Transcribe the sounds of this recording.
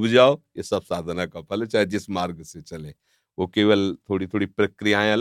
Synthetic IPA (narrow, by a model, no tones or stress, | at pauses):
bd͡ʒaːojesɐbsaːd̪ʱnakapʰɐlɛt͡ʃaːed͡ʒɪsmaːɾɡset͡ʃɐlẽː | ʋokeːʋəlt̪ʰoːɽit̪ʰoːɽipɾɐkɾijaːẽɐl